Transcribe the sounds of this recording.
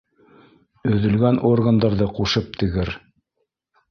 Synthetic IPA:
ɵ̆ðɵ̆lɡænʔorɡənd̪ɑɾðɤquʃɤp̚t̪ʰɘ̆ɡɘɾ

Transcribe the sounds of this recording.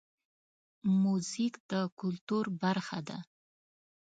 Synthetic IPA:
muzikd̪əkʊlt̪uɾbaɾxad̪a̰

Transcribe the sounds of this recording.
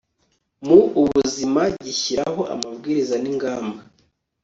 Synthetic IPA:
muːβuzimaɟiçiɾaɦo̞ʔa̰mabɡiːɾizaniŋɡaːmba

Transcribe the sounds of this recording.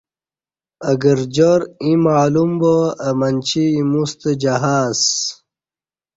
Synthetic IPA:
əɡəɾd͡ʑoɾĩmaːlumboəmɐnʲt͡ɕʰiːmust̪əd͡ʑɐɦaːs

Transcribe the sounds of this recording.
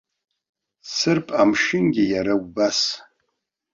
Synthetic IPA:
sɨrpʼamʃɪnɡʲɪjaɾawbas

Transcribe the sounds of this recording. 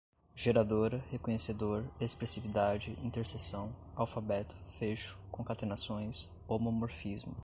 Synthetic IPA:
ʒ̥eɾad̪oɾɐhekõɲesed̪oɾespɾesivid̪ad͡ʒɪĩnt̪eɾsesɐ̃w̃awfabɛt̪ʊ̥feʃʊ̥kõkat̪enasõj̃s | omomoɾfizmʊ

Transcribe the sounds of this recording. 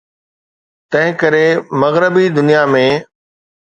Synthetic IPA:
t̪ɐ̃ɦɪ̃kɐɾemɐɣɾəbid̪ʊnijamẽː

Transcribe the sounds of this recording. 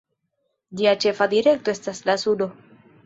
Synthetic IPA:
d͡ʒiat͡ʃe̞fadiɾe̞k̚to̞e̞staslasudo̞

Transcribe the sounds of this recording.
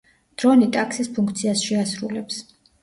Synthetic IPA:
d̪̥ɾɔnit̪ʼaksispʰuŋkʰt̪sʰiasʃɛasɾulɛps

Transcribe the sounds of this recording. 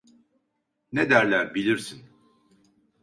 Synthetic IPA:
ned̪æɾlʲæɾbilʲiɾsin

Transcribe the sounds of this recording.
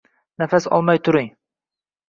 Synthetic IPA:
næfæsɒ̰lˠmɑjt̪ʰʊɾɪŋ

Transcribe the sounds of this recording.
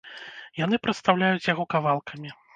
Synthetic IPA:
jan̪ɨpɾɐt̪st̪awlʲajut͡sʲjaɣɔkavalˠkʰɐmʲi

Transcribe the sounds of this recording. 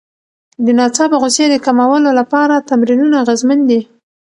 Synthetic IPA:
d̪ənɑt͡sɑbaɣʊsjed̪əkamawəlolapɑɾat̪amɾinunaɣazmənd̪i

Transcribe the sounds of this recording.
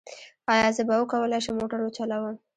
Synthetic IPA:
ɑjɑzəbawəkawəlɑjʃəmoʈaɾwət͡ʃalawəm

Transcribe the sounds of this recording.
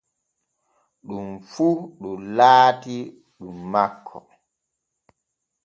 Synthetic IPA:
ɗumfuɗɔlaːti | ɗumːakʰːɔ̰

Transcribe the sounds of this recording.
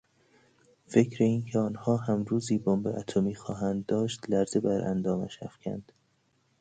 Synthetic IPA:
fe̞cʰɾeiːncʰeɒːnhɒːhæmɾuːziːbombḛʔæt̪ʰomiːxɒːɦænd̪ːɒːʃt̪læɾz̥ebæɾʔæ̰nd̪ɒːmæ̰ʃhæ̰fcʰæ̰nd̪̥

